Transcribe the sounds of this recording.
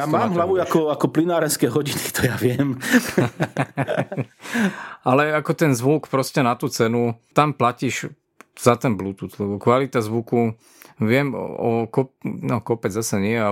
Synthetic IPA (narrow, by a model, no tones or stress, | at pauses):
jamaːmɦlaʋuakɔakɔplinaːɾɛnskɛːɦɔɟinit̪ɔjaʋɪɛm | alɛakɔt̪ɛnzʋukpɾɔscɛnat̪uːt͡sɛnut̪amplaciʒ | z̥at̪ɛnblut̪ut̪lɛbɔkʋalit̪azʋuku | ʋɪɛm̰ɔkɔpnɔkɔpɛd͡zzasɛɲɪɛjɛa